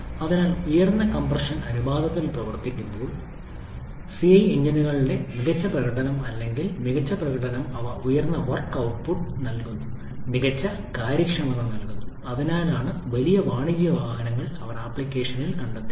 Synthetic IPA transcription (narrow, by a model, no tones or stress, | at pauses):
ɐðinaːlujɐrnːɐkɐmprɐʂɐnɐnibaːd̪ɐt̪ːilprɐʋɐrt̪ikʲːumbo̞ːɭ | siɐjeɲd͡ʑiniɣɐɭiɽe̞miɣɐt͡ɕːɐprɐɣɐʈɐnɐmɐlːe̞ŋɡilmiɣɐt͡ɕːɐprɐɣɐʈɐnɐmɐʋɐujɐrnːɐʋɐrkːɐwʈ̚puʈːnɐlkunːu | miɣɐt͡ɕːɐ | kaːɾjɐkʂɐmːɐnɐnɐlkunːu | ɐðinaːlaːɳɨʋɐlijɐʋaːɳiɣijɐʋaːɦɐnɐŋːɐɭɐʋɐnɐpːlikʲːe̞ːʂɐnilkɐɳɖɐt̪ːi